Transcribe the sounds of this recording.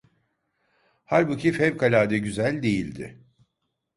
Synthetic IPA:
haɾbucʰifhɛpkʰalʲaːd̪ɛɟyzælʲd̪e̞jilʲd̪ɪ̰

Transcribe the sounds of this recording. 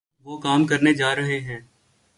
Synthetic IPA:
ʋoːkaːmkəɾned͡ʒaːɾəɦeɦɛ̃ː

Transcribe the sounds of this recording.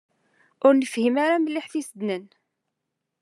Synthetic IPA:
ʊɾnəfhimaɾaməlːɪħθisəd̪nən

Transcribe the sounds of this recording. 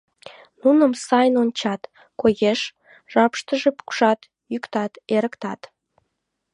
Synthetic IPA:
nunə̆msɑjnonʲt͡ɕɑt̪ | kojeʃ | ʒ̥ɑpʃt̪əʒepu̥kʃɑt̪ | jykt̪ɑt̪eɾəkt̪ɑt̪

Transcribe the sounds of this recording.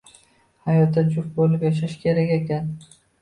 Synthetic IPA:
hajɒt̪ːat͡ʃʰʊfbolɪpjaʃ̬aʃkʲʰe̞ɾakʲekʲan

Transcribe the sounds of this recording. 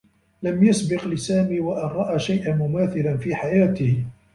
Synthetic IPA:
lamjasbɪqlɪsaːmiːwaʔɪnɾˤɑʔaːʃajʔanmʊmaːθɪlanfiːħajaːt̪ɪh

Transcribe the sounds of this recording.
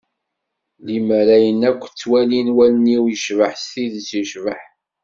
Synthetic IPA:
liməɾæjənækʷːt͡sːwælinwælniwjəʃvəħsθiðt͡sːiʃvəħ

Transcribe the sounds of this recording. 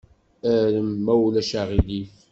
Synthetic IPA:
æɾəmːæwlæʃaʁiliθ

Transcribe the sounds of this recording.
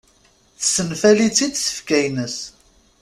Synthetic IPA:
θə̥sənfælit͡sːid̪sə̥fkæjnəs

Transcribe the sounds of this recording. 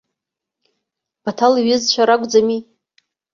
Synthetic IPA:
b̥atʰaliɥɪzt͡ʃʷʰaɾaɡʷʼd͡zami

